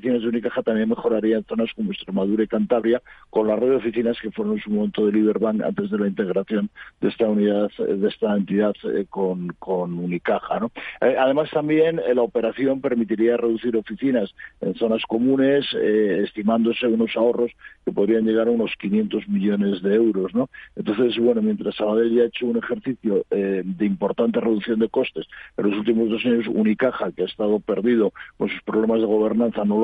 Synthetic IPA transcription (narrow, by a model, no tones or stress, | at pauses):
fiθinazðunikaxat̪ambje̞nme̞xo̞ɾaɾiae̞nθo̞nasko̞moe̞st̪ɾe̞maðuɾaikant̪aβɾjako̞nlareðo̞fiθinaske̞fwe̞ɾonensumome̞nt̪oð̞eliβe̞ɾβaŋka̰nt̪e̞zðe̞laint̪e̞ɣɾaθjo̞nd̪est̪auniðaððe̞st̪aent̪iðað̰konko̞nunikaxano̞aðe̞mast̪ambje̞nlaope̞ɾaθjo̞mpe̞ɾmit̪iɾiare̞ðuθiɾo̞fiθinase̞̰nθo̞nasko̞mũne̞seːst̪imãnd̪o̞se̞uno̞sao̞ro̞ske̞po̞ð̞ɾiaɲʝe̞ɣ̞aɾauno̞skinjẽ̞nt̪o̞zmiʎo̞ne̞zðe̞ewɾo̞zno̞ent̪o̞nθe̞zβwe̞no̞mjent̪ɾasːaβaðe̞lʝaet͡ʃo̞une̞xe̞ɾθiθjoed̪eimpo̞ɾt̪ant̪e̞re̞ðuθjo̞nd̪e̞ko̞st̪e̞se̞̰nlo̞sult̪̬imo̞zð̞o̞saɲo̞sṵnikaxakeaest̪að̞o̞pe̞ɾðið̞o̞konsuspɾo̞β̞lemazð̞e̞ɣ̞o̞β̞e̞ɾnãnθano